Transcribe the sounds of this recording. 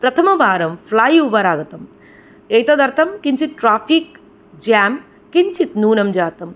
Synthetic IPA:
pɾɐt̪ʰɐmɐbʱaːɾɐmflaːjuʋɐɾaːɡɐt̪ɐm | eːjt̪ɐd̪ɐɾt̪ʰɐmkiɲt͡ʃit̪̚ʈɾaːfik | d͡ʒaːm | kiɲt͡ʃit̪nuːnɐmd͡ʒaːt̪ɐm

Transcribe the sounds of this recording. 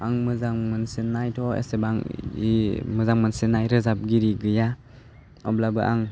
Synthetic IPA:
aŋmɯzaŋmɯnsenajtʰɔḛsebaŋimɯzaŋmɯnsenajɾɯzap̚ɡiɾiɡɯja | ɔblabɯʔa̰ŋ

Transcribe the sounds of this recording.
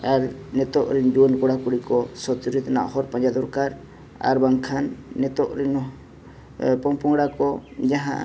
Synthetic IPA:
aɾnɛt̪ɔʔɾind͡ʒuənkɔɽakuɽikɔsɔt̪uɾit̪ana̰ʔhɔɾpãɲd͡ʒad̪ɔɾkaɾ | a̰ɾbaŋkʰanːɛt̪ɔʔɾin | pɔmpɔŋɽakɔd͡ʒaɦã̰ʔ

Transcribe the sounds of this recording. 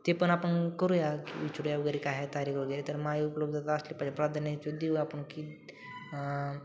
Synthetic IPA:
t̪epənapəɳkəɾujakḭit͡ʃɾujaʋəɡəɾekaɦet̪aɾiːkʋəɡeɾet̪əɾmaiupləb̚d̪at̪əslipad͡ʑapɾad̪ʱanət͡ʃod̪euapəɳki

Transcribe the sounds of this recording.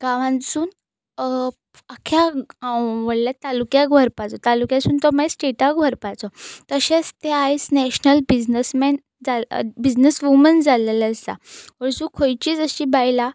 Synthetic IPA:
ɡ̥ãʋãnsuːn | akʰja | ʋəɽljat̪alukjaɡʱʋəɾpat͡sɔt̪alukjãsuːnt̪ɔmajsʈeʈaɡʱʋəɾpat͡sɔt̪əɕẽt͡st̪eajt͡snɛɕnəlbid͡znəsmɛn | d͡zabid͡znəsʋumənd͡zalelast̪a̰ʋəɾsũkʰojt͡ɕiːd͡zəɕiːbajla

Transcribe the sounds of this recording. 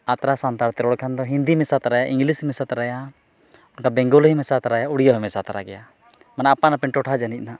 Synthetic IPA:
at̪ɾasant̪aɽt̪ɛɾɔɽkʰand̪ɔɦind̪imɛsat̪ɾajaʔiŋɡlishmɛsat̪ɾaja | ɔnkabɛ̃ŋɡɔlɦimɛsat̪aɾajauɽijɔɦɛmɛsat̪aɾaɡɛja | manaapanapɛnʈɔʈʰad͡ʒanic̪̚ˀna

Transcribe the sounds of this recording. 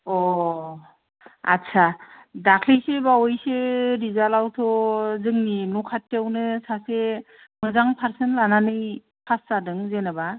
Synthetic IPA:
ɔ | a̰tsʰa | dakʰlisebawɔjseɾizalawtʰɔzɯŋninukʰatʰːawnɯsase | mɯzaŋpʰaɾsɯnlananɯj | pʰasːadɯŋzenaba

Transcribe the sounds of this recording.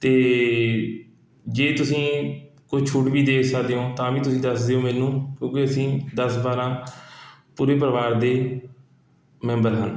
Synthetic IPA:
t̪eː | d͡ʒeːt̪ʊsĩː | kot͡ʃʰuʈʋiːd̪eːkʰsəkd̪eːõːt̪ãːʋiːt̪ʊsĩːd̪əsd̪eːõːmɛːnũːkjõːkeəsĩːd̪əsbaːɾãː | puːɾẽːp̬əɾəʋaːɾd̪eː | mɛ̃ːmbəɾɦə̰n

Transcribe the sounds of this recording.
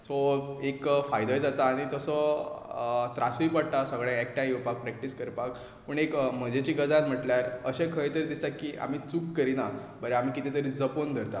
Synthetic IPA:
sɔekfajd̪ɔjd͡zat̪aːɽ̃it̪əsɔ | t̪ɾasipəɽt̪asəɡɭãɛk̚ʈajiwpak̚pɾɛk̚ʈiskəɾpak | pəɳekm̤əd͡ʑet͡ɕiːɡəd͡zãt̪m̤əʈljaɾəɕẽkʰəjt̪əɾd̪isakiːʔa̰m̤iːt͡sukːəɾina | bəɾeam̤ikit̪ʰet̪əɾid͡zəpond̪ʱəɾt̪a

